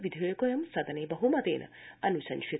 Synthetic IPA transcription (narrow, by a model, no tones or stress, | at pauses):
ʋid̪ʱjoːjɐkojɐmsɐd̪ʱɐneːbɐɦumɐt̪ḛːnʔɐ̰ɐnusɐnʃi